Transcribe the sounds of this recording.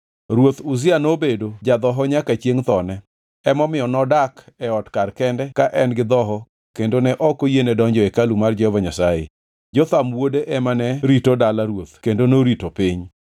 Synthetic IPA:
ɾwot̪ʊzɪanobedod͡ʒad̪ɔɦɔɲakat͡ʃjeŋt̪ɔnɛ | ɛmɔmɪɔnɔdakɛɔtkarkɛndɛkaʔɛnɡɪd̪ɔɦɔ | kendonɛʔɔkojenɛdɔɲd͡ʒɔekalumard͡ʒɛhɔvaɲasajḛ | d͡ʒɔt̪amwodeʔɛmanɛɾitodalaɾwot̪kendonoɾitopɪɲ

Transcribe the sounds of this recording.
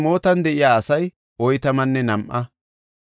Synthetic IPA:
mo̞ːt̪ɐnd̪ɛʔɪjaːɐsɐj | ɔjt̪ɐmɐnːɛnɐmʔɐ

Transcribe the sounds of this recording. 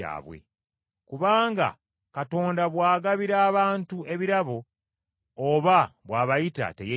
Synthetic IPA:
a̰ːβwe̞̰ | kuβaːŋɡa̰ | kato̞ːndaβwaːɡaβiɾaːβaːntue̞βiɾaβo̞ː | βaβwaːβajita̰te̞̰je

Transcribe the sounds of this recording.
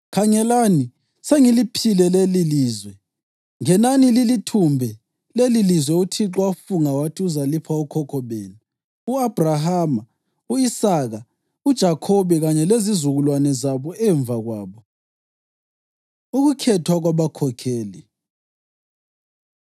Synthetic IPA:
kʰaɲɛlani | seŋilipʰilɛleliliːzwɛ | ŋɛnanililitʰumbʱɛ | lelilizwɛutʰiǁwafuŋawatʰiuzalipʰaukʰɔkʰɔβeːnu | uab̥ʱraɦaːma | uisaɣa | ud̥ʒ̥ʱakʰɔβɛɣaɲɛlezizuɣulwanɛzaβɔɛːɱb̪vaɣwaːβɔ | uɣukʰɛtʰwaɣwaβakʰɔkʰɛːli

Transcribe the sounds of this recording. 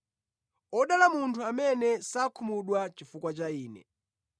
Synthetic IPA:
ɔɗalamuntʰuamɛnɛsakʰumuɗwat͡ʃifukwat͡ʃaiːnɛ̰

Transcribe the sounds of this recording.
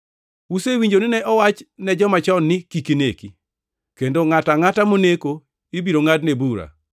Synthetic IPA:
usewiɲd͡ʒonɪnɛʔɔwat͡ʃnɛd͡ʒɔmat͡ʃɔnːɪkikineki | kendoŋataŋatamoneko | ibiɾoŋadnebuɾa̰

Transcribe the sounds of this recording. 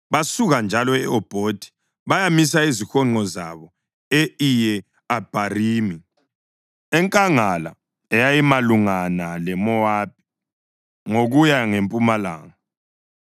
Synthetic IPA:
βasuɣand͡ʒʱalɔɛ̰ɔb̥ʱoːd̥ʱi̥ | βajamis̬aizixɔŋ͡ǃɔza̰βɔ | eijɛ | ab̥ʱariːmi | ɛŋkʼaŋala̰ | ɛjajimaluŋanalɛmɔwaːp̚ʰi̥ | ŋoɣujaŋempʼumala̰ːŋa

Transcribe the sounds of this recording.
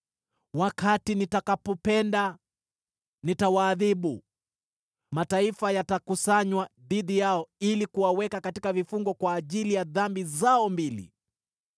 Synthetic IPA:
wakatinitakapɔpɛnda | nitawaːðiɓu | mataifajatakusaɲwaðiðijaɔilikuwawɛkakatikavifuŋɡɔkwaːʄilijaðambizaɔmbilḭ

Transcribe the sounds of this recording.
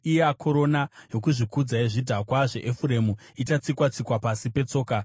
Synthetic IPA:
ijakʰo̞ɾo̞najo̞kuʐikud͡zaeʐidʱakwaʐe̞̰ʔefuɾe̞mu | itat͡sikwat͡sikwapasipe̞t͡so̞ːka

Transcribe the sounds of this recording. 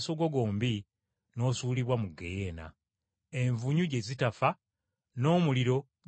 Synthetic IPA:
so̞ɡo̞ɡo̞ːmbi | no̞ːsuːliβwamuɡḛjeːna̰ | e̞ɱvuɲuɟe̞zitafa | no̞ːmuliɾo̞

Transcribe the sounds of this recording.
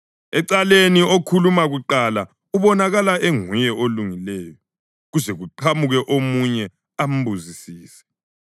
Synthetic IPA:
ɛǀaleniokʰulumaɣuǃala | uβɔnaɣalaʔeŋujɛʔoluŋilɛːjɔ | ɣuzɛɣuǃʰamuɣɛʔomuɲɛ | am̩buzisiːsɛ̥

